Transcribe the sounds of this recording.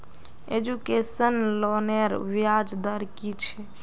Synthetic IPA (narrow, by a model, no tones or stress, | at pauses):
ed͡ʒukesənloneɾʋiad͡ʒd̪əɾkit͡ʃʰɛ